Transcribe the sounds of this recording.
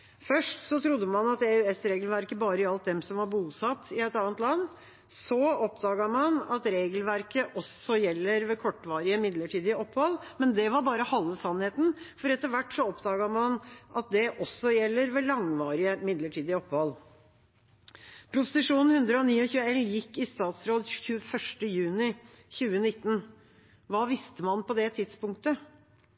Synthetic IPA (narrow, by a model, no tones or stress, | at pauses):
fœʂʈsɔt̪ʰɾʊd̪ːəmɑnɑt̪ɛʉɛsɾeːɡəlʋæɾkəbɑːɾəɪɑlt̪̚d̪ɛmsɔmʋɑɾbuːsɑt̪ːɪɛt̪ɑːnt̪lɑnː | sɔɔpd̪ɑːɡɑmɑnɑt̪ɾeːɡəlʋæɾkəʔɔsɔjɛlːəɾʋɛkʰɔʈːʋɑːɾɪəmɪd̪ləʈʰiːd̪ɪəɔpːhɔlmɛnd̪ɛʋɑɾbɑːɾəhɑlːəsɑnheːt̪n̩fɔɾɛt̪ːəɾʋæʈːsɔɔpd̪ɑːɡɑmɑnʔɑt̪̚d̪ɛʔɔsːɔjɛlːəɾʋɛlɑŋʋɑːɾɪəmɪd̪ləʈʰiːd̪ɪəɔpːhɔl | pʰɾʊpʊsɪʂuːnn̩hʉnd̪ɾəɔniːɔçʉːəɛljɪkːɪst̪ɑːt̪sɾoːd̪çʉːəfœʂʈəjʉːnɪ | çʉːənɪt̪ːn̩ | ʋɑːʋɪst̪əmɑnpɔd̪ɛt̪ʰɪd̪spʊŋk̚t̪ə